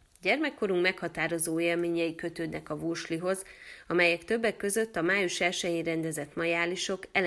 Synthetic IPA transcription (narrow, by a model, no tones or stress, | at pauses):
ɟɛrmɛkːo̞ɾuŋmɛkhɒt̪aːɾo̞zoːeːlmeːɲɛjikø̞t̪øːd̪nɛkɒvuʃliɦo̞zɒmɛjɛkt̪øbːɛkːø̞zø̞t̪ːɒmaːjuʃɛlʃɛjiɾɛnd̪ɛzɛt̪mɒjaːliʃo̞kɛl